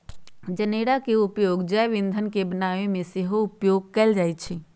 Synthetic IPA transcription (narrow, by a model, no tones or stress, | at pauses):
d͡ʒəneɽakeʊpjoɡd͡ʒəʋĩnd̪ʱənkebənaʋẽmẽseɦoʊpjoɡ̚kɛld͡ʒaːjt̪t͡ʃʰi